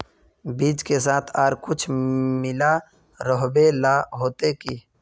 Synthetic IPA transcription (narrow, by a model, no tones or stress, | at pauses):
biːd͡ʒkes̬aːt̪ʰaːɾkʊt͡ʃʰmɪla | ɾəɦbelaɦoːt̪ekiː